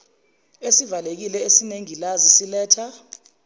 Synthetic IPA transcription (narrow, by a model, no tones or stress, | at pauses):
esivalek̬ilɛesineŋilazisilɛːtʰa